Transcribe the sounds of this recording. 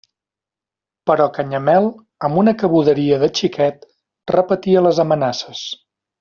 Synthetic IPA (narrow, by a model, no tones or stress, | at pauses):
pəɾɔkəɲəmɛlˠ | əmbunəkəβuðəɾiəðət͡ʃikɛt̪ | rəpət̪iələzəmənasəs